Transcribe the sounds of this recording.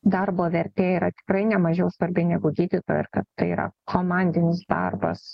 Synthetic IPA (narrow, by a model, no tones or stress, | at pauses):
d̪ɐrboːʋʲɛɾʲt̪ʲeːiːɾɐt̪ʲɪ̥kɾɐɪnʲɛmɐʒʲɛʊsʋɐɾʲbʲɪnʲɛɡʊɡʲiːd̪ʲɪt̪oːjoɪɾkɐt̪t̪ɐɪiːɾɐ̰kʰoːmɑnʲd̪ʲɪnʲɪsd̪ɑ̰rbɐ̰s